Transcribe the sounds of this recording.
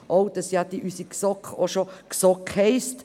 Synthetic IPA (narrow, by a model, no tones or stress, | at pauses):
ʔowd̥ɑsjɑd̥iʔysiksɔkχoʃoksɔkhɛɪst